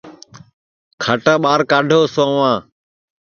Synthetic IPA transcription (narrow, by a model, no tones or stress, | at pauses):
kʰəʈaːɓaːɾkaːɖʱoːsoːʋãː